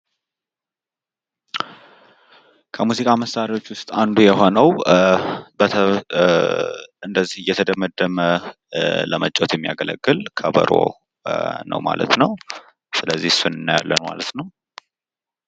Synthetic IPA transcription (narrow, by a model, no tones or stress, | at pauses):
kʰəmuzikʼaməsːaɾiwo̞t͡ʃːwʊst̪ʼand̪ujɛɦo̞nəw | bəə | ɨnd̪əzːihjɛt̪ʰəd̪əməd̪ːəmə | ləmət͡ʃʼot̪jɛmːija̰ɡələɡːɨlkʰəbə̰ɾo̰ | nə̰wma̰lʔə̰t̪nəw | sɨləzːihsunɨnːɨja̰lːənma̰lət̪nəw